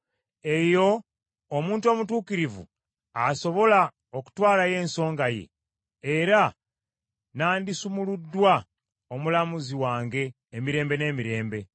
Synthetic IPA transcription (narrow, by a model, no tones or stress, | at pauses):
e̞jo̞ː | muːntuomutuːkiɾivṵ | aso̞βo̞la | oku̥twaːlaje̞ːnso̞ːŋɡaje̞̰ː | ɾa | naːndisumuludːwa | o̞mulamuziwaːŋɡe̞ː | miɾe̞ːmbe̞ne̞ːmiɾe̞ːmbe̞